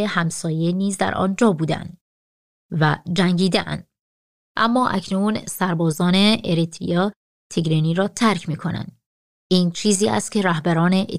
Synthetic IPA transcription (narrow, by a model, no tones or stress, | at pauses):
ehæmsɒːje̞niːzd̪æ̰ɾʔɒ̰ːnd͡ʒɒːbuːd̪æ̰nd̪ | væd͡ʒæŋɟiːd̪eʔæ̰nd̪̥ | ʔæmːɒːʔæ̰cʰnuːnsæɾbɒːzɒːne̞eɾit̪ʰḭjɒː | t̪ʰeɡɾeniːɾɒːt̪ʰæɾcʰmiːkʰo̞næ̰nd̪̥ | ʔiːnt͡ʃʰiːziːʔæ̰st̪̚cʰʲe̞ɾæhbæɾɒːne̞ʔ